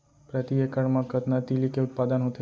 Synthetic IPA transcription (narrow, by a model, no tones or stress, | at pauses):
pɾət̪iekəɽmãkət̪nat̪ilikeʊt̪̚pad̪ənɦot̪ʰe